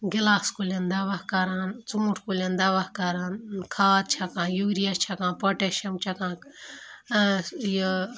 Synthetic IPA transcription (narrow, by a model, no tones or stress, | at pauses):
ɡilaːskulʲend̪ɐʋahkɐɾaːnt͡sũːʈʰkulʲend̪ɐʋahkɐɾaːnkʰaːd̪̚t͡ʃʰɐkãːjuɡɾijat͡ʃʰɐkãːnpɐʈeʃɐmt͡ʃʰɐkãːk | jə